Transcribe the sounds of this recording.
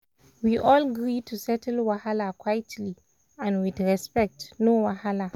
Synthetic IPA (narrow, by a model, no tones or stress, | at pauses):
wiʔɔlɡɹitʰusɛtəlwahalakʰwajtʰli | ãnwidɹɛspɛk̚tnowahala